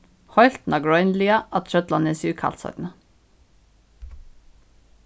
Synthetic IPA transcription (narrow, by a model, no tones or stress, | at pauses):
hɔʏlt̪n̩ɑɡɹɔʏnliːɑʔɑt̪ʃœt̪lɑneːsʉːkʰɑ̰lt̪sɔ̰ɾnə